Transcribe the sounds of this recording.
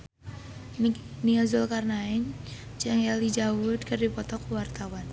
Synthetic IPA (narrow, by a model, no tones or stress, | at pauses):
niazʊlkarnaɛɲ | t͡ʃaŋɛlid͡ʒawʊd̪̚kərdipɔt̪ɔkuwart̪awan